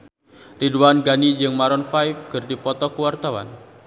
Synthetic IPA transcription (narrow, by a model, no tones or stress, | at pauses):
riduanɡanid͡ʒɨŋmaɾɔnfajfɡərdipɔt̪ɔkuwart̪awa̰n